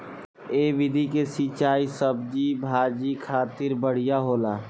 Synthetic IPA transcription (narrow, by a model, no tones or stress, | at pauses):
eːʋɪd̪ʱikesit͡ʃaːisəbd͡ʒibʱaːd͡ʒikʰaːt̪ɪɾbəɽ̤ijaɦoːlaː